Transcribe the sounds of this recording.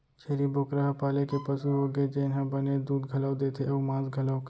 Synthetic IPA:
t͡ʃʰeːliboːkɾəɦpaːlekepɐsuɦoɡed͡ʒeɪnɦə̃bɐned̪uːd̪ɡʱɐləwd̪eːt̪ʰeɐmãːzɡʱɐləwk

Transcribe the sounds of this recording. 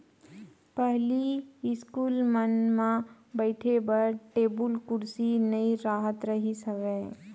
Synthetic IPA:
pɛɦliɪskuːlmənmã | bəɪʈʰebɐɾʈeːbʊlkʊɾsinɐiɾaːɦət̪ɾɐɦisɐʋɛ̃ː

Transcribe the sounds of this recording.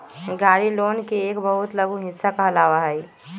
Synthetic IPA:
ɡaːɾiloːnkeeːkbəɦʊt̪ləɡũɦɪsːakaɦɐlaːʋaɦɛ

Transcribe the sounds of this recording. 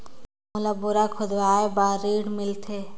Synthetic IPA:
mʊlabʊɾakʰʊd̪ʋaːebaːɾiːɽmɪlt̪ʰe

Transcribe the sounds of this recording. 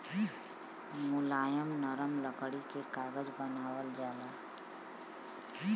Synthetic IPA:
mʊlaːjəmnəɾəmləkɽikekaːɡəd͡ʒbənaːwəld͡ʒaːlaː

